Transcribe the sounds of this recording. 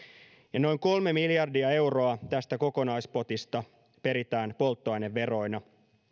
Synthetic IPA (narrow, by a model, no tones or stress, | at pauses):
jɑno̞jŋko̞lme̞miljɑrdiɑe̞wro̞ɑt̪æst̪æko̞ko̞nɑjspo̞t̪ist̪ɑ | pe̞ɾit̪æːnpo̞lt̪ːoɑjneʋːe̞ro̞jnɑ